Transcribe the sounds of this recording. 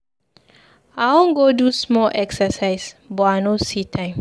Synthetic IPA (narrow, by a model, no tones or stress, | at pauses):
awɔ̃ŋɡodusmɔlʔɛksəsaɪsbɔanositʰãɪ̃m